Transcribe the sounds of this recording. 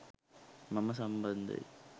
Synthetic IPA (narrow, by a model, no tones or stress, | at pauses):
mɐmɐsɐmbɐnd̪ɐ̰j